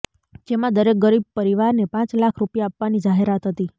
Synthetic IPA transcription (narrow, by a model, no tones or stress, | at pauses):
d͡ʒemãd̪əɾek̚ɡəɾib̚pəɾiʋaɾnepãt͡ʃlakʰɾupjaːpʋanid͡ʒaɦeɾat̪ɦət̪i